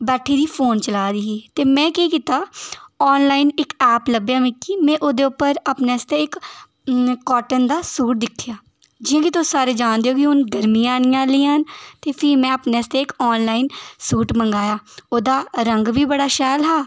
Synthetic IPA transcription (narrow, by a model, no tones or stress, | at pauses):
bɛːʈʰiːd̪iːpʰoːnt͡ʃəlaːd̪iːɦiːt̪eːmɛ̃ːkiːkiːt̪aːɔːnlaːinɪkɛːpləbjaːmɪ̃kːiːmɛ̃ːʔod̪eːʊpːəɾapneːst̪eːɪkː | ɔːʈənd̪aːsuːʈ̚d̪ɪkʰːɪjaː | d͡ʒɪjãːkit̪osaːɾeːd͡ʒaːnd̪eːoːkɪʊnɡəɾmĩːaːnijãːliːaːnt̪eːpʰɪɾmɛ̃ːəpneːst̪eːɪkɔːnlaːiːnsuːʈməŋɡaːjaːoːd̪aːɾəŋɡbiːbəɽaːʃɛːlɦɛː